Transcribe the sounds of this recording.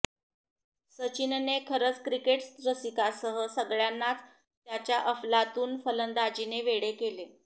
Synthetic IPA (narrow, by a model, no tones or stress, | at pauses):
sət͡ɕinnekʰəɾət͡skɾikeʈsd̪ɾəsikasəɦəsəɡɭjanːat͡s | t̪jat͡ɕjaʔəflat̪uːnfələnd̪ad͡ʑineʋeɽekele